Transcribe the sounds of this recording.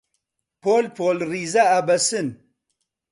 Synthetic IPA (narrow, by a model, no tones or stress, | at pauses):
pʰolpʰoːlriːzaabɐsɨn